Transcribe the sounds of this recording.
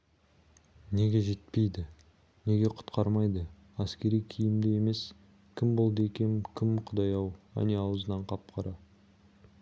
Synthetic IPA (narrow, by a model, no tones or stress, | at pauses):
ne̞ɡʲe̞ʒe̞t̪̚pe̞jd̪ɪ | ne̞ɡʲe̞qʰʊ̥t̪qɑɾmɑjd̪ə | æskʲe̞ɾijkʲʰijɪmd̪eje̞me̞s | kʲʰɪmbo̞lˠd̪əe̞kʲe̞kʲʰɪmqʰʊd̪ɑjɑwæ̰ne̞ɑwəzənɑɴqʰɑp̚qʰɑɾɑ